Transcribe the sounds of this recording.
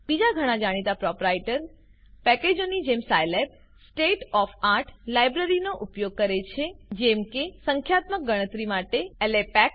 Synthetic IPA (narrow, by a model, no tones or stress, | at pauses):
b̥id͡ʒaɡʱəɽ̃ãd͡ʒaɽ̃it̪apɾɔpɾajʈəɾ | pɛked͡ʒonid͡ʒemsajlep̚ | sʈeʈɔfaɾʈʰlajbɾəɾinoʔupjoɡ̚kəɾet͡ʃʰed͡ʒɛmkesəŋkʰjat̪mək̚ɡəɽ̃ət̪ɾimaʈeellepɛk